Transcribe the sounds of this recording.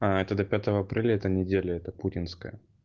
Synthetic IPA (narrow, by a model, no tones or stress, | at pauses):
aɛt̪əd̪ɐpʲat̪əvəɐpɾʲelʲəɛt̪ənʲɪdʲelʲəɛt̪əputʲɪnskəjə̰